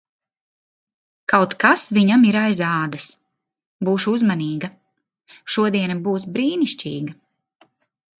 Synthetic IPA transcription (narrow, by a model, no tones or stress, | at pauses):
kawt̪kasviɲamiɾajzaːd̪ɐs | buːʃuuzmaniːɡɐ | ʃuɔd̪iɛnabuːsbɾiːniʃt͡ʃʲḭːɡɐ